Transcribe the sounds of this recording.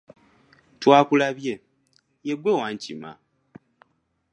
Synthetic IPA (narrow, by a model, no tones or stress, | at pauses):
twaːkulaβje̞ | jeɡwewaːɲcḭma̰